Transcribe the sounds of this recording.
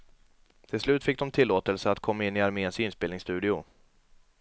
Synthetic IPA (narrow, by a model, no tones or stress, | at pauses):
t̪ʰɪlslʉ̟ːt̪fɪk̚ːd̪ɔmt̪ʰɪlːoːt̪əlsəat̪kʰɔmːaɪnːɪaɾmeːnsɪnspeːlɪŋst̪ʉ̟ːd̪ɪʊ